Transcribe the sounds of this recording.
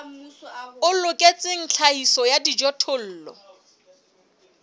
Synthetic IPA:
ʊlʊkʼet͡sʼɪŋ̩t͡ɬʰaisɔjadid͡ʒɔtʰʊl̩ːlɔ̰

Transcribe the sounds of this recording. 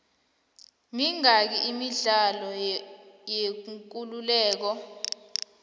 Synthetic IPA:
miŋak̬iimiɮalɔ | jek̬ululɛːk̬ɔ

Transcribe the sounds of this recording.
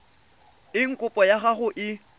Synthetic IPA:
ɪŋ̩kʼʊpʼɔjaɣaɣʊʔɪ

